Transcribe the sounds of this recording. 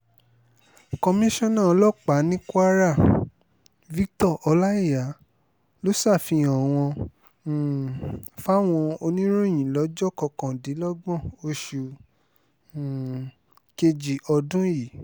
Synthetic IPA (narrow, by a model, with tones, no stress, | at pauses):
kɔ˧mĩ˦ʃɔ̃˦˨nã˦˨˧lɔ˦˨k͡pa˨˦nĩ˦kwa˦ɾa˦˨ | vi˦ktɔ˦˨ʔɔ˧la˦i˦˨ja˨˦ | lo˦sa˦˨fĩ˧ɔ̃˨w̃ɔ̃˧˨ | fa˦w̃ɔ̃˧o˧nĩ˦ɾũ˦˨j̃ĩ˨lɔ˨˦d͡ʒɔ˦kɔ˧kɔ̃˨di˨˦lɔ˦ɡ͡bɔ̃˦˨o˧ʃu˨ | ke˧d͡ʒi˨ɔ˧dũ˦ji˨˦